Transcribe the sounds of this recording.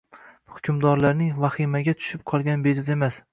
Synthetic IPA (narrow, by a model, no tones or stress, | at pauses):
hʊ̥kʲʰʊmd̪ɒɾlaɾnɪŋvaχimaɡʲat̪ʰʊ̥ʃɪp̚qʰɒlˠɡʲanbed͡ʒɪze̞mas